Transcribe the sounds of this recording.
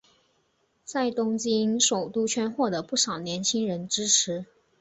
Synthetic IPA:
t͡sa˥˩ɪt̪ʊ˥ŋt͡ɕi˥nʂo˨˩ʊt̪u˥t͡ɕʰɥɛ˥nxwɔ˥˩d̪ə˩pu˥˩ʂɑ˨˩ʊnjɛ˧˥nt͡ɕʰi˥ŋɻə˧˥nʈ͡ʂɻ̩˥ʈ͡ʂʰɻ̩˧˥

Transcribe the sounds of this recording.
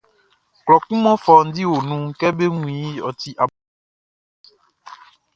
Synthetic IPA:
klɔ˨kũ˦mɔ̃˦fɔ˨n̩˦di˦wo˨nũ˦ŋ˦kɛ˦be˦ŋũ˨˦˨ĩ˨˦ɔ̰˨t̪i˦ʔa˨

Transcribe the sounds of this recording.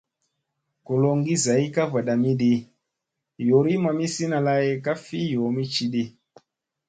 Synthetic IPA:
ko˨lo˧ŋɡi˦za˨i˦ka˦va˨ɗa˨mi˦ɗe˦ | jo˨ɾi˦ma˨mi˦si˦na˧la˦je˦ka˦fi˦jo˨mi˦t͡ʃi˦ɗe˦

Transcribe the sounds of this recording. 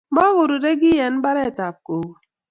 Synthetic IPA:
ba˦wo˨ɾu˨de˦k̬i˦je˨n̩˦ba˦ɾe˦˨ta˨p̚ko˨˦

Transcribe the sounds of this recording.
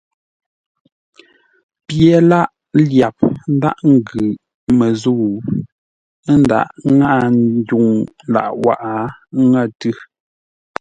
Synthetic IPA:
pje˨la˦ʔ | lja˨p̚n̩˦da̰˦ʔŋ̩˦ɡʉ˨ | mə˨zu˦˨˦ | nda̰˨ʔŋa˦˨n˦du˨ŋ | la̰˨ʔwa̰˨ʔa˨˦ŋə˦˨tʉ˦

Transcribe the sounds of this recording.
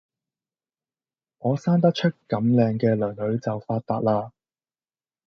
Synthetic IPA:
ŋɔː˨˧saː˥nt̪ɐ˥t͡ʃʰɵ˥t̚kɐ˨˥mlɛː˧ŋkɛː˧lœː˨˩ŋlɵ˨˥ɥt͡sɐ˨wfaː˧t̚t̪aː˧t̚laː˧

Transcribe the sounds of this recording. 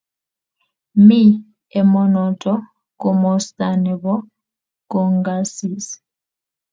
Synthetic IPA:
mi˦ | ɛ˨mɔ˨nɔ˨tʼɔ˦ | kɔ˨mɔ˨stʼa˨nɛ˨βɔ˦ | kɔ˨ŋɡa˦si˨s

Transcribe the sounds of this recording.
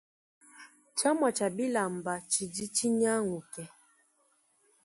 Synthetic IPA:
t͡ʃa˦ma˨t͡ʃa˨bi˦la˨m˨ba˨t͡ʃi˨d͡ʒi˦t͡ʃi˦ɲa˦ŋu˨kɛ˨

